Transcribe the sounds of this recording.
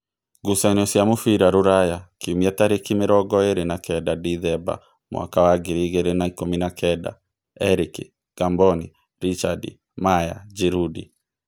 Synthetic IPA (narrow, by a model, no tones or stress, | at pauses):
ɡusanɔsjamofiɾaɾuɾajakiumiataɾekimeɾɔɡɔeɾenakɛdadiðɛba̰ | mwʔa̰kawaɡiɾiɣeɾenaikominakʰɛda̰ | ɛɾiki | ɡ̥ambɔnḭ | ɾit͡ʃadḭ | maja̰d͡ʒiɾudḭ